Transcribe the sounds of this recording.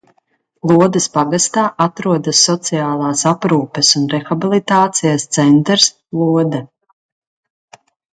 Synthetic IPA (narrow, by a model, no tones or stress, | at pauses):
lˠuɔd̪ɐspaɡast̪aːʔat̪ɾuɔd̪asːɔt̪sijaːlˠaːsapɾuːpɛsunɾɛxabilˠit̪aːt̪sijast̪sɛnt̪ɾs | lˠuɔd̪ɛ